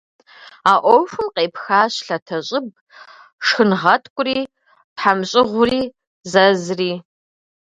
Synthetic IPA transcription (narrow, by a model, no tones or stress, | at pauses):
aːʔʷɔwfɨmqeːpxaːɕɬɐtʰɐɕʼɪb̚ | ʂxɨnʁɐtʰkʷʼʊriː | pħamɕʼɪʁʷʊriː | zɐzriː